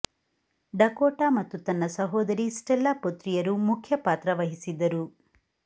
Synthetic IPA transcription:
ɖɐkoːʈaːmɐt̪ːut̪ɐnːɐsɐɦɔːd̪ɐɾisʈɛlːɐpot̪ɾijɐɾumukʰjɐpaːt̪ɾɐʋɐɦisid̪ɐɾu

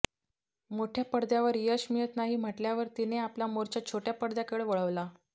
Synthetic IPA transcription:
moʈʰjapəɽd̪jaʋəɾjəɕmijət̪naɦiːm̤əʈljaʋəɾt̪ineapljamoɾt͡ɕjat͡ɕʰoʈjapəɽd̪jakəɭeʋəɭəʋla

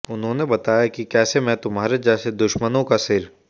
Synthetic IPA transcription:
ʊnɦõnebɐt̪aːjakikɛːsemɛ̃t̪ʊmɦaːɾed͡ʒɛːsed̪ʊʃmənõkasɪɾ

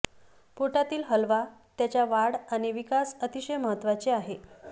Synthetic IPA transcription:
poʈat̪iːlɦəlʋat̪jat͡ɕjaʋaɽaɽ̃iʋikasət̪iɕəjməɦət̪ːʋat͡ɕeaɦe

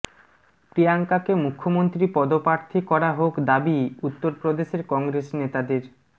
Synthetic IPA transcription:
pɾiaŋkakemukʰːomont̪ɾipɔd̪opaɾt̪ʰikɔɾaɦokd̪abiut̪ːoɾpɾod̪eʃeɾkɔŋɡɾeʃnet̪ad̪eɾ

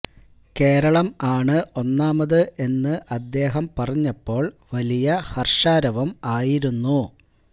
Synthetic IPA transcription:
ke̞ːɾɐɭɐmaːɳɨʔo̞nːaːmɐðɨʔe̞nːɨʔɐd̪ːe̞ːɦɐmpɐrɐɲːɐpːo̞ːɭʋɐlijɐhɐrʂaːɾɐʋɐmaːjiɾunːu

